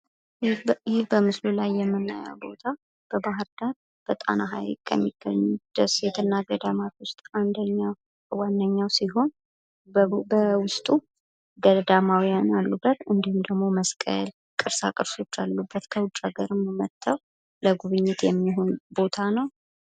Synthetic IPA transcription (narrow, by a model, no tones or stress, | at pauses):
hebəmɨslulajːɛmːɨnːa̰ja̰wbo̞̰t̪ʰa | b̥əbaɦɨɾd̪aɾ | b̥ət̪ʼa̰naɦa̰jlkʼʰːə̰mːiɡ̥əɲːud̪̥əset̪ʰɨnːaɡəd̪amat̪wʊst̪ʼand̪əɲːa | wanːəɲːawsiɦo̞n | bəwʊst̪ʼu | ɡəd̪amawijanalːubːət̪ɨnd̪ihumd̪əɡmo̞məskʼə̰l | kʼɨɾsakʼɨɾso̞t͡ʃːalːubːət̪kʰəwʊt͡ʃʼːaɡəɾɨmmət̪ʰːəw | ləɡuβɨɲːɪt̪jɛmːiɦo̞nbo̞t̪ʰanəw